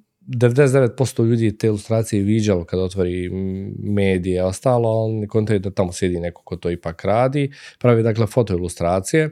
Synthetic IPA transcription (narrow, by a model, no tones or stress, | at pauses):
d̪eʋed̪esed̪eʋe̞t̪̚po̞st̪oʎuːd̪iːjet̪eːilust̪ɾaːt̪sijeʋid͡ʑalokad̪ao̞t̪ʋoɾiː | meːd̪ijeo̞st̪aːloonnekont̪ajud̪at̪amosje̞d̪iːnekokot̪oːipaːkɾaːd̪iːpɾaʋiːd̪aːkle̞fo̞t̪o̞ilˠust̪ɾaːt̪sije